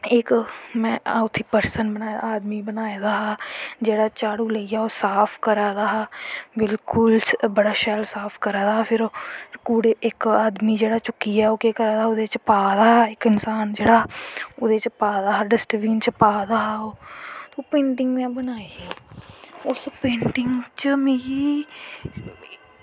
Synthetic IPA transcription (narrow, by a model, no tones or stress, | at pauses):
ɪkmɛ̃ːʊt̪ʰːiːpəɾsənbənaːaːd̪miːbənaːed̪aːɦaːd͡ʒeːɽaːt͡ʃaːɽuːləiaːoːsaːpʰkəɾaːd̪aːɦaːbɪlkʊlbəɽaːʃɛlsaːpʰkəɾaːd̪aːpʰɪɾkuːɽeːʔɪkaːd̪miːd͡ʒeːɽaːt͡ʃʊkːiaːoːkeːkəɾaːd̪aːʊd̪et͡ʃpaːd̪aːɦɪkɪnsaːnd͡ʒeːɽaːʊd̪et͡ʃpaːd̪aːɦaːɖɪsʈʋiːnt͡ʃəpaːd̪aːɦoːt̪oːpẽːɳʈɪŋɡmãːbənaːie | ʊspẽːɳʈɪŋɡt͡ʃəmeːiː